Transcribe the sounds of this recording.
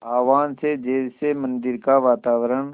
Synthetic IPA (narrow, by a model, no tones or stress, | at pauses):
aːʋaːnseːd͡ʒeːseːmənd̪ɪɾkaːʋaːt̪aːʋəɾəɳ